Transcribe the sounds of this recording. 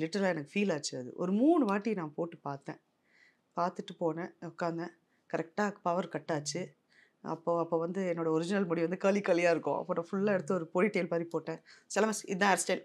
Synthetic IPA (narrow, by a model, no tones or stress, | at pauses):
lɪʈːɐɾɐlaːɛnɐkːɯfiːlaːt͡ʃːɯɐðɯ̰ʔɔ̰ɾɯmuːɳɯʋaːʈːinaːpoːʈːɯpaːɾt̪ːẽː | paːɾt̪ɯʈːɯpoːnɛ̃ʊkːaːnd̪ɛ̃ | kɐɾɛk̚ʈaːpɐʋɐɾkɐʈːaːt͡ʃːɯ | ɐ̰pːoːɐpːoːʋɐnd̪ɯɛnːoːɽɐɔɾɪd͡ʒɪnɐlmɔːɽɪiʋɐnd̪ɯkaːlikːɐlɪjaːɪɾɯkːõ̰ɐ̰pːoːnːɐ̃ːfʊɭːaːɛɽɯt̪ːɯɔɾɯpɔːɻiʈːeːlpaːðɾipoːʈːẽːsɛlɐmɐsɪ̰d̪ãɛɾsʈɛn